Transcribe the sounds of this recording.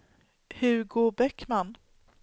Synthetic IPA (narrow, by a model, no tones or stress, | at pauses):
hɵɾɡoːɾbɛkman